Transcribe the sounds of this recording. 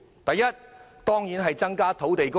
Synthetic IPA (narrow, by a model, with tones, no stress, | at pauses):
t̪ɐ˨jːɐ˥t̚t̪ɔː˥ŋjiː˨˥nɦɐ˨jt͡sɐ˥ŋkaː˥t̪ʰo˨˥wt̪e˨jkʊ˥